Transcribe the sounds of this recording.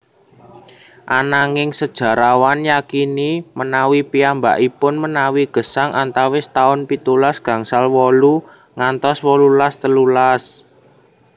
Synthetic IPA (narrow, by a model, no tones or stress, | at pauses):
ʔanaŋɪŋsəd̥ʒ̥ä̤ɾawanjakinimənawipiamba̰ʔipʊnmənawiɡ̥ə̤saŋʔant̪awɪst̪aʊnpit̪ulasɡ̥ä̤ŋsalwɔlu | ŋant̪ɔswɔlulast̪əlulas